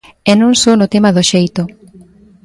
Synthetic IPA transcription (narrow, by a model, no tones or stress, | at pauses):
ɛnõŋsownʊt̪emaðoʃejt̪ʊ